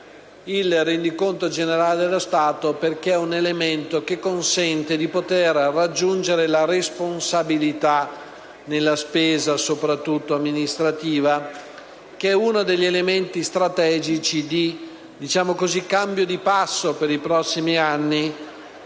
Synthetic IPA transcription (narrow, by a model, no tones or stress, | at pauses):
ilrend̪ikont̪od͡ʒeneɾaːled̪elːost̪aːt̪operk̟eɛunelement̪ok̟ekːonsɛnt̪ed̪ipot̪erːad͡ʒːund͡ʒeɾelaɾesponsabilit̪a | nelːaspeːzasopɾat̪ːut̪ːoamːinist̪ɾat̪iːva | kɛunod̪eʎːelement̪ist̪ɾat̪ɛːd͡ʒit͡ʃid̪i | d̪it͡ʃaːmokozikːambjod̪ipasːopeɾipɾɔsːimianːi